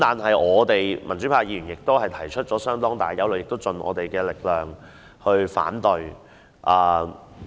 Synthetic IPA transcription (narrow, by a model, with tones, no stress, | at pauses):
t̪aː˨nɦɐ˨jʔɔː˨˧t̪e˨jmɐ˨˩nt͡ʃy˨˥pʰaː˧˥jiː˧ɥyː˨˩njɪ˨k̚t̪o˥whɐ˨jt̪ʰɐ˨˩jt͡ʃʰt̚t͡ʃɔː˨˥sœː˥ŋt̪ɔː˥ŋt̪aː˨˩jjɐ˨˧wlɵ˨ɥjɪ˨k̚t̪o˥wt͡sɵ˨nʔɔ̰ː˨˧t̪e˨jkɛː˧lɪ˨k̚lœː˨˩ŋ | hɵ˧ɥfa̰ː˨˥nt̪ɵ˨˧ɥ | ʔɐː˨˩